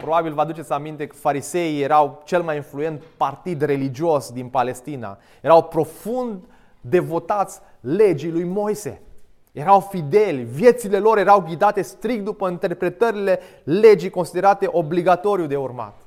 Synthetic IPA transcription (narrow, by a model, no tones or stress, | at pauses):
pɾo̞babilvad̪ut͡ʃesʲamint̪e̞kə̥faɾise̞ije̞ɾawt͡ʃe̞lmajinflue̞nt̪part̪id̪re̞lid͡ʒiosd̪inpale̞st̪ina̰ | jeɾawpɾo̞fund̪ː | e̞vo̞t̪at̪sʲ | le̞d͡ʒilujmo̞jse̞̰ | je̞ɾawfid̪e̞lʲvje̞t̪sile̞lo̞ɾje̞ɾawɡʲid̪at̪e̞st̪ɾik̚t̪̚d̪upəint̪e̞rpɾe̞t̪əɾile̞ | le̞d͡ʒijko̞nsid̪eɾat̪e̞ʔo̞bliɡat̪o̞ɾiud̪e̞urma̰t̪